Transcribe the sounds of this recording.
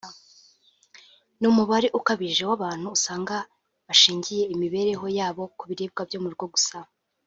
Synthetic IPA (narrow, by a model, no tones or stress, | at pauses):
numuβaɾeʔukaβiʒewaβaːn̥huːsaːŋɡa | βaʃiːɲɟije̞imiβe̞ɾe̞ɦo̞jaːβo̞kuβiɾib̚ɡabjoːmuɾɡwo̞ɡusa